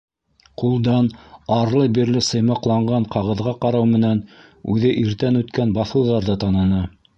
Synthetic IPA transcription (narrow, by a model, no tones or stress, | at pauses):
qulˠd̪ɑnɑɾlˠɤbiɾlɘsɤ̆jmɑqlˠɑɴɢɑɴqɑʁɤ̆ðʁɑqɑɾɑwmɘ̆næn | ʉðɘʔiɾt̪ænʉt̪kænbɑθɤ̆wðɑɾðɑt̪ɑnɤ̆nɤ